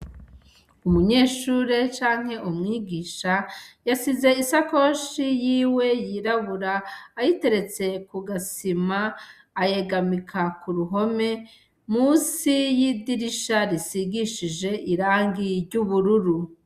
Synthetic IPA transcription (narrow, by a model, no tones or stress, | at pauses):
umuɲe̞ːʃuɾe̞t͡ʃaːŋ̥he̞ʔumŋiːɡiːʃajasize̞isako̞ːʃijiːwe̞jiɾaβuɾaːjite̞ɾe̞t͡se̞kuɡasimaː | je̞ɡamikʰakuɾuɦo̞me̞ | muːsijidiɾiʃaɾisiɡiʃiʒe̞ʔiɾaːŋɡiɾɟuβuɾuɾu